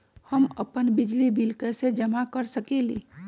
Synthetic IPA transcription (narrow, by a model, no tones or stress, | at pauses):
həmə̰pənbid͡ʒlibilkesed͡ʒəmakəɾsəkelḭ